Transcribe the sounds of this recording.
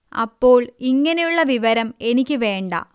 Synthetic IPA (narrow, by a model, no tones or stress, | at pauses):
ɐ̰pːo̞ːɭiŋːɐne̞juɭːɐʋiʋɐɾɐme̞nikʲːɨʋe̞ːɳɖɐ̰